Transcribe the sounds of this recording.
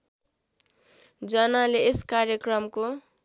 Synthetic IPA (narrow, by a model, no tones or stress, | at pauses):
d͡zʌnaleːskaɾjʌkrʌmko